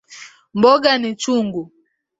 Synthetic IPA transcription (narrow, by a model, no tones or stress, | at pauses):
mbɔɡanit͡ʃuŋɡu